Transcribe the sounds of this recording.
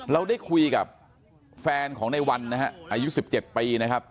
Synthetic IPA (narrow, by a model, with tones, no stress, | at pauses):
ɾa˧wda˥˩jkʰu˧jka̰˨˩p̚ | fɛː˧nkʰɔː˩˦ŋna˧jwa˧nːa˦˥ɦa˦˥ʔʔaː˧ju˦˥si˨˩p̚t͡ɕe˨˩t̪̚piː˧na˦˥kʰa˦˥p̚